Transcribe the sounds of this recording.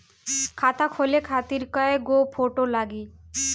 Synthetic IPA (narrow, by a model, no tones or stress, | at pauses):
kʰat̪akʰolekʰat̪iɾkaeɡopʰoʈolaɡi